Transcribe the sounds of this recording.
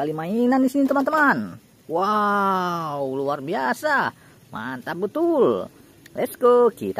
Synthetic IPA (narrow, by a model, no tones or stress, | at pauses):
alimainandisinit̪əmant̪əman | wa | wuluarbiasa | mʔa̰nt̪abət̪ul | lɛskokḭt̪a